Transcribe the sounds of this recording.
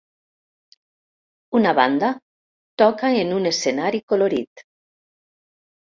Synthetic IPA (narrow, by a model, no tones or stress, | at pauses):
unaβa̰nd̪a | t̪ɔkaenunesθenaɾikoloɾit̪